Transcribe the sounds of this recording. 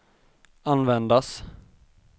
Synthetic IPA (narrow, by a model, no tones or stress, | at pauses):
anvɛnd̪as